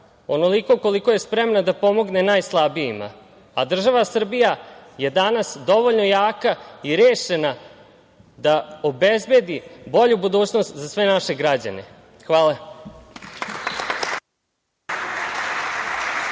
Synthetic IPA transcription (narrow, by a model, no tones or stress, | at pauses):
o̞no̞liko̞ko̞likoje̞spɾe̞mnad̪apo̞mo̞ɡne̞naːjslˠabijima̰ | a̰d̪r̩ʒaʋasr̩bijaje̞d̪anasd̪o̞ʋoʎno̞jaːkaiɾjeːʃena | d̪aobezbje̞d̪ibo̞ʎubud̪uːt͡ɕno̞st̪zasʋe̞naʃe̞ɡɾad͡ʑa̰nḛ | xʋaːle